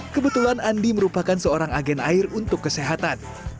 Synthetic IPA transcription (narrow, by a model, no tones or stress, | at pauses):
kəbət̪ulanandiməɾupakansəoɾaŋaɡɛnairunt̪ʊkːəseɦat̪an